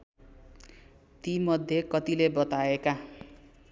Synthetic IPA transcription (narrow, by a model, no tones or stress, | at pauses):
t̪imʌd̪ʱjekʌt̪ilebʌt̪aeka